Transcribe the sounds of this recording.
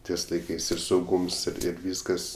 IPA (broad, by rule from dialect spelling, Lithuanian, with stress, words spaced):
ˈtʲiɛs lˠɐɪˈkɐɪs ɪr sɐʊˈɡuːms ɪr ɪr ˈʋʲiːskɐs